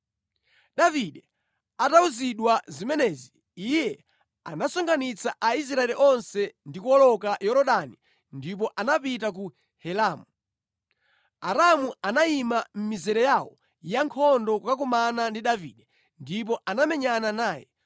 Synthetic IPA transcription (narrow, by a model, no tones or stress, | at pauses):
ɗaviɗɛ | atauziɗwazimɛnɛːziː | jɛ | a̰nasɔŋɡanit͡sʰaʔais̬ɾaɛɾiʔɔnsɛndikuɔlɔkajɔɾɔɗani | ndip̬ɔʔanapitak̬u | hɛlaːmu | aɾamuanaimam̩mizɛɾɛjawɔ̰ | jaŋkʰɔndɔkak̬umanandiɗavḭɗɛ | ndip̬ɔʔanamɛɲananaːjɛ̰